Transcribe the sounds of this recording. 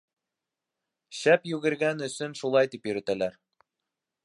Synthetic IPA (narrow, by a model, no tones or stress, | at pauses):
ɕæpjʉɡɘ̆ɾɡænɵ̆sɵnʃulˠɑjt̪ipjɵ̆ɾæ̆t̪ælæɾ